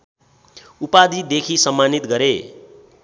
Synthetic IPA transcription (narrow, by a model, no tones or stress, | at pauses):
upad̪id̪ekʰisʌmːanit̪ɡʌɾe